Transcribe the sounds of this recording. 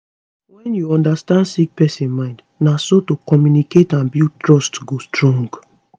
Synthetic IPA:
wɛ̃njuɔ̃ndastãndsik̚pɛsĩnmãɪ̃nd | nasotokɔmjuniketãnbitɹɔstɡostɹɔ̃ŋɡ

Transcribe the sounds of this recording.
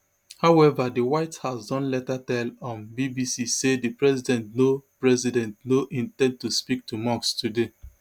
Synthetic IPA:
haʊɛvadiwaɪthasdɔ̃nlɛtatɛlɔ̃nbibisisedipɹɛzidɛ̃ntnopɹɛzidɛ̃ntnoʔĩntɛ̃nd̚tuspik̚tumɔ̃kstude

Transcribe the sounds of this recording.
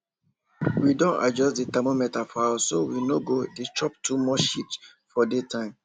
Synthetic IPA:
widɔ̃na̰d͡ʒɔstditɛmomɛtafasowinoɡodet͡ʃɹɔp̚tʰumɔʃit | fɔdetʰãɪ̃m

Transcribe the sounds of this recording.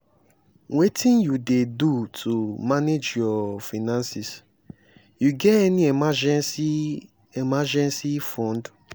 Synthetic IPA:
wetĩnjudedutʰumaned͡ʒjɔfinãnsis | juɡɛtɛniemad͡ʒs | emad͡ʒɛ̃nsifɔ̃nd

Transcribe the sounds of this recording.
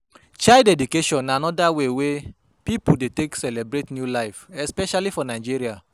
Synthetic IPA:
t͡ʃaldɛdjukeʃɔ̃nːaanɔdawewe | pipudeteksɛlebɾetnjulaɪfɛspɛʃalifɔnaɪd͡ʒiɾia

